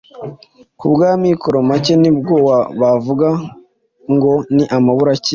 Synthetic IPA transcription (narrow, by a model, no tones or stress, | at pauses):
kubɡaːmikʰoɾomacenibɡo̞ːwaβavuɡa | ŋɡo̞niʔamaβuɾaci